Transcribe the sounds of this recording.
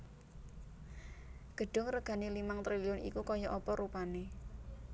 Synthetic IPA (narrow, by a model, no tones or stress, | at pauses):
ɡ̥ə̤ɖ̥ʊ̤ŋrəɡ̥a̤nelimaŋt̪ɾiliʊnḭkukɔjɔʔɔpɔɾupane